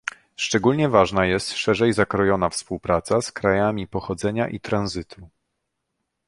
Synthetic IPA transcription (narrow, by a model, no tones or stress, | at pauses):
ʂt͡ʂɛɡulʲɲɛvaʐnajɛst̪ʂɛʐɛjzakɾɔjɔnafspuwpɾat̪saskɾajamʲipɔxɔd̪zɛɲaʔit̪ɾanzɘt̪ʰu